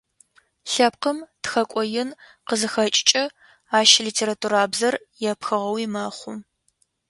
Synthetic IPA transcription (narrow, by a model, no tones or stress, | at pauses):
ɬɐp̚qəmtxɐkʷʼɔjɪnqəzɨxɐt͡ʃʼɪt͡ʃʼɐ | aːʃliːtʰeːɾatʰuɾaːbzɐr | jɛpxɨʁɐwiːmɐχʷʊ